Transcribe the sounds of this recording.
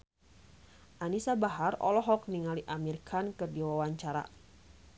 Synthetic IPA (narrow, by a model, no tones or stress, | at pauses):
ʔanisabaɦarɔ̰lɔɦɔk̚niŋaliʔamirkʰankɨrdiwawaɲt͡ʃaɾa̰